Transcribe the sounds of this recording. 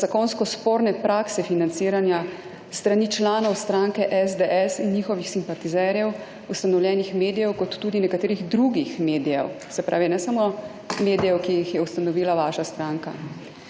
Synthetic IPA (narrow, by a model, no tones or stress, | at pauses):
zakonskɔspoːɾnɛpɾaːksɛfinant̪siːɾanja | st̪ɾaniːt͡ʃlaːnɔwst̪ɾaŋkɛʔɛzd̪ɛʔɛsinːixɔʋixsimpat̪izɛɾjɛw | ust̪anɔwljɛːnixmeːd̪ijɛwkɔt̪ːuːd̪inɛkat̪eːɾiɣd̪ɾuɡixmeːd̪ijɛ̰w | sɛpɾʔa̰ːʋinɛsamo | meːd̪ijɛwkijixjɛust̪anɔʋiːlaʋaːʃast̪ɾaːŋka